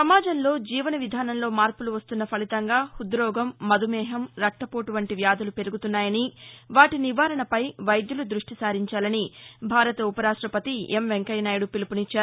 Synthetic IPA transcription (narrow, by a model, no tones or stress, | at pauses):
sɐmaːd͡ʒɐmlo̞ːd͡ʒiːʋɐnɐʋid̪ʱaːnɐmlo̞ːmaːɾpuluʋɐst̪unːɐpʰɐlit̪ɐŋɡaːhud̪ɾɔːɡɐmːɐd̪ʱumɛːɦɐmɾɐk̚ʈːɐpoːʈuʋɐɳʈiʋjaːd̪ʱɐlupe̞ɾuɡut̪unːaːjɐniʋaːʈiniʋaːɾɐɳɐpɐjʋɐjd̪julud̪ɾuʂʈisaːɾiɲt͡ʃaːlɐnibʱaːɾɐt̪ɐupɐɾaːʂʈɾɐpɐt̪iemʋeŋkɐjnaːjɽupilipunit͡ʃːaːɾ